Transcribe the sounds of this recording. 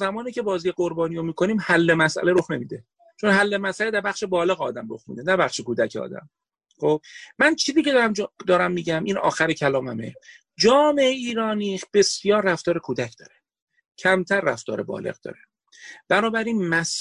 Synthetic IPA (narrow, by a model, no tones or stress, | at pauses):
zæmɒːniːcʰe̞bɒːzijeɡo̞ɾbɒːnijomiːkʰo̞niːmhælːemæsʔæ̰leɾo̞xne̞miːd̪e | t͡ʃʰo̞nɦælːe̞mæsʔæled̪æɾbæχʃe̞bɒːle̞ɣɒːd̪æmro̰xmḭːd̪e̞næbæχʃekuːd̪æcʰeɒ̰ːd̪æ̰m | χob̥̚mænt͡ʃʰiːziːcʰe̞d̪æmd̪ɒːɾæmːiːɟæmʔiːnɒ̰ːxæɾecʰælɒːmæmḛ | d͡ʒɒːme̞ʔeiːɾɒːnib̥e̞sjɒːɾːæft̪ɒːɾe̞kʰuːd̪æcʰd̪ɒ̰ːɾe̞ | cʰæmt̪ʰæɾːæft̪ɒ̰ːɾe̞bɒ̰ːlḛɣd̪ɒ̰ːɾe | b̥ænɒːbæɾiːnmæs